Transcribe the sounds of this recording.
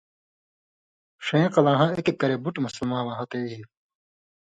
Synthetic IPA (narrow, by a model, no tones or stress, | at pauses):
ʂẽːqɐlãːɦãːekekːɐɾebuʈmusɐlmãːwãːɦɐt̪eːi